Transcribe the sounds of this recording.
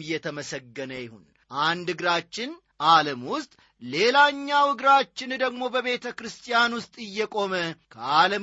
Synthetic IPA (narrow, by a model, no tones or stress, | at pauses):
jɛt̪ʰəməsəɡːənəjɪhṵn | ʔand̪ɨɡɾat͡ʃːɪn | ʔaləmwʊst̪ʼ | le̞laɲːawɨɡɾat͡ʃːɪnd̪əɡmo̞bəβe̞t̪ʰəkɾɨst̪ʰʼijanwʊst̪ʼɨjːɛkʼo̞məkʰəaləm